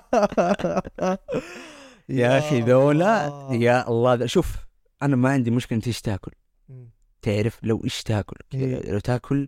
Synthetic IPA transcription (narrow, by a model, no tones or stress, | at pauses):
jaxiðoːlajaʔɑlˤːɑːd̪aʃuːf | ʔanamaʕɪnd̪imʊʃkɪlʔɪnt̪ʔɪʃt̪aːkʊl | t̪ɪʕɾɪflawʔɪʃt̪aːkʊlkɪd̪a̰la̰wt̪aːkʰʊl